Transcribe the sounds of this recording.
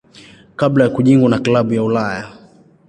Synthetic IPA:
kablajakuʄiŋɡwanaklaɓujaulaja

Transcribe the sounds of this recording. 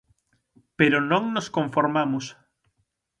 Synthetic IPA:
peɾonõŋnoskõɱfoɾmamʊs

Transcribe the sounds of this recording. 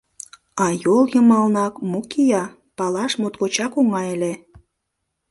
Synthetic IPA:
ɑjoljəmɑlnɑkmukijɑ | pɑlɑʃmot̪kot͡ɕɑkoŋɑele

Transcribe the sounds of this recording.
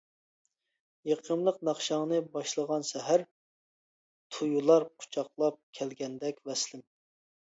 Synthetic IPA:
jeqʰəmlˠəqnɑχʃɑŋnɨbɑʃlˠəʁɑnsɛɦæɾ | t̪ʰujulˠɑɾqʰʊ̥t͡ʃʰɑqlˠɑp̚kʲʰɛlɡʲɛnd̪ɛkʲvɛslɪm

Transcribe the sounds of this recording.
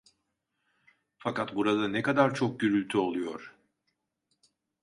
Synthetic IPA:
fakat̪buɾad̪anɛkad̪aɾt͡ʃʰok̚ɟyɾylʲt̪ʰyolˠujo̞ɾ̥

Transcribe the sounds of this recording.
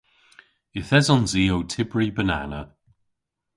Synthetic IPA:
ɪθɛzɔnziːowtʰɪbɹibəna̰nə

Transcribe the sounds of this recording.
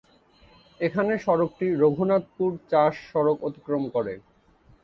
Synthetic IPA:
ekʰaneʃɔɾok̚ʈiɾoɡʱunat̪̚puɾt͡ɕaʃːɔɾokot̪i̥kɾomkoɾḛ

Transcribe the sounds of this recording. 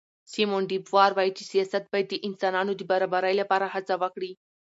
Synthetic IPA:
simoɳɖibʋaɾʋajt͡ɕisijasat̪̚bajt̪iʔinsananud̪ibəɾabəɾajljapaɾaɦat͡saʋakɽi

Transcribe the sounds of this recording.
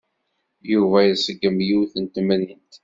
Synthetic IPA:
juvæjsəɡəmjuwθənt̪mnint̪

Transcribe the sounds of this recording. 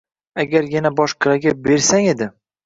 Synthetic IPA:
aɡʲaɾjanabɒʃqʰɨɾaɡʲabe̞ɾsaŋed̪ɪ

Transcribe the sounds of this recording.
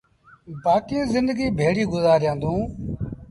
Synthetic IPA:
baːkiõːzɪnd̪əɡiːbʱeːɽiːɡʊzaːɾɪjãːnd̪ũː

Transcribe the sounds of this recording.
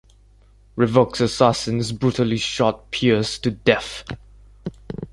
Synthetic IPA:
ɹɪvoksəsasə̃nzbɹutəliʃɔt̚pʰiəz̥tʰɨdɛθ

